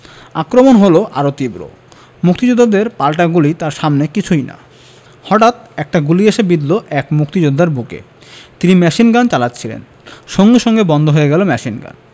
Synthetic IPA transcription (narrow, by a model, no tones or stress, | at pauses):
akɾomonɦoloʔaɾot̪ibɾo̰ | muk̚t̪id͡ʑud̪ʱːad̪eɾpalʈaɡulit̪aɾʃamnekit͡ɕʰujna̰ | hɔʈat̪ɛk̚ʈaɡulieʃebid̪loʔɛkmuk̚t̪id͡ʑud̪ʱːaɾbukḛ | t̪inimɛʃinɡant͡ɕalatːɕʰilḛn | ʃoŋɡeʃɔŋɡebɔnd̪ʱoɦoeɡɛlomɛʃinɡa̰n